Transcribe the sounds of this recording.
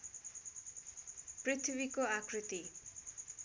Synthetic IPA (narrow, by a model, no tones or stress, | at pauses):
prit̪ʰbikoakɾit̪i